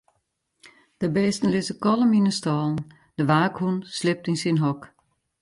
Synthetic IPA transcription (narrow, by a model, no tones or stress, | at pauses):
d̥əbɛːstən̩lɪzəkɔlˠəminəstɔːln̩ | d̥əʋaːkhunslɪp̚tinsinɦɔk